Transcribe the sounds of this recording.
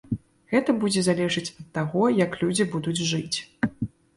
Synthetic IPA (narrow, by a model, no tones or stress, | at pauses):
ɣɛt̪ɐbud͡zʲɛzalʲɛʐɨt͡sʲɐt̪ːaɣɔjɐklʲud͡zʲibud̪ud͡zʲʐɨt͡sʲ